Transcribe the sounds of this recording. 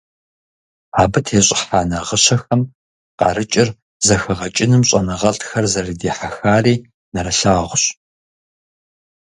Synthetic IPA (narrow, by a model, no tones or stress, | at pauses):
aːbɨtʰeːɕʼɪ̥ħaːnɐʁəɕɐxɐm | qɑ̰ːɾɨt͡ʃʼɪr | zɐxɐʁɐt͡ʃʼɪnɨmɕʼɐnɐʁɐɬtʰxɐrzɐridiːħaxaːriː | nɐɾɐɬaːʁʷʊɕ